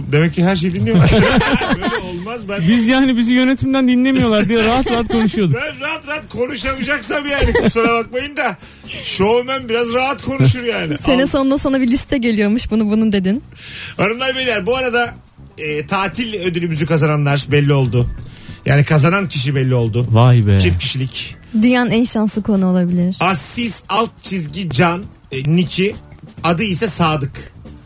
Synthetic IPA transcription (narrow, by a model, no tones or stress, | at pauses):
d̪e̞mɛcːiɦæɾʃ̬ejd̪inlijo | ølolˠmazbæbizjaːnibizijø̞ne̞t̪ʰimd̪ænd̪inlʲe̞mijo̞lˠaɾd̪ijaɾaɦat̪ɾaɦat̪̚kʰo̞nuʃujo̞d̪bænɾaɦat̪ɾaat̪kʰo̞nuʃamɯd͡ʒaksabjaːnisoɾabak̚majɯnd̪a | ʃoemænbiɾazɾaɦat̪kʰo̞nuʃuɾjaːnɪseniso̞nd̪ˠasonabilʲist̪ʰɛɟe̞lʲijo̞muʃbunubunud̪e̞d̪in | anɯmlˠaɾbelʲilʲæɾbuaɾad̪a | ɯːt̪ʰaːt̪ʰilʲød̪ylʲymyzykʰazananlˠaɾbɛlʲːio̞lˠd̪ʊja̰ːnikʰazanancʰiʃ̬ibɛlʲːio̞lˠd̪ʊvabɛt͡ʃʰifcʰiʃilʲic | d̪yjanænʃansˠɯkʰo̞nuolˠabilʲiɾ̥asisalˠt̪̚t͡ʃʰizɟid͡ʒanː | icʰiad̪ɯisɛsaːd̪ɯk